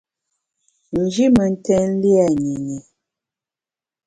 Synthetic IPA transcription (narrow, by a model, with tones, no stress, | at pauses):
n̩˨d͡ʒi˦mə˨n̩˦tɛ˦n̩˦li˦a˨ɲi˨ɲi˨